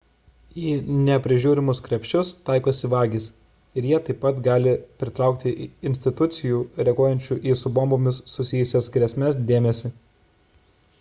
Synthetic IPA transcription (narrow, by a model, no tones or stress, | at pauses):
iːnʲɛpʲɾʲɪʒʲuːɾʲɪmʊskɾʲɛpʲʃʲt͡ʃʲʊst̪ɑˑɪkoːsʲɪʋɑːɡʲis | ɪɾjiɛt̪ɐɪpːɐt̪ɡɑːlʲɪpʲɾʲɪt̪ɾɑˑʊkt̪ʲɪʔɪnʲsʲt̪ʲɪt̪ʊt̪sʲɪjuːɾʲɛɡoːjɛnʲt͡ʃʲuːʔiːsʊbɔmbomʲɪsːʊsʲɪjʊsʲɛsɡɾʲɛsʲmʲɛsd̪ʲeːmʲɛsʲɪ